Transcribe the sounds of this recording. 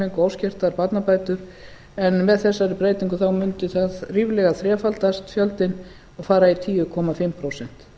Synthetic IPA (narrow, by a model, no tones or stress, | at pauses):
ejŋkʏawscɪr̥t̪aɾpat̪napaːjt̪ʏɾ̥ | ɛnmɛðθɛsːaɾɪpɾeːjt̪iŋkʏθawmʏnt̪ʏθaðriːvlɛɣaθɾjɛːfalt̪ast̪fjœlt̪ɪn | aðfaːɾait̪ʰiːʏkʰɔmafɪmpʰɾowsɛn̥t̪